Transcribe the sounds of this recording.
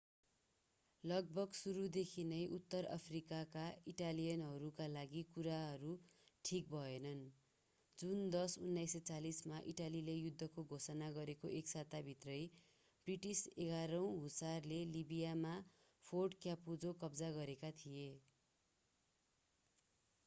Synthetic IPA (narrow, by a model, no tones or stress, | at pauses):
lʌɡ̚bʱʌɡsuɾud̪ekʰinʌjʔut̪ːʌra̰pʰrikakaiʈalijʌnɦʌɾukalaɡikuɾaɦʌɾuʈʰik̚bʱʌenʌn | d͡zund̪ʌsunːajsʌt͡salismaʔiʈalilejud̪ʱːʌkoɡʱosʌnaɡʌɾekoʔeksat̪abʱit̪rʌj | briʈiseɡaɾʌw̃ɦusarlelibijama | pʰorɖkjapud͡zokʌbd͡zaɡʌɾekat̪ʰije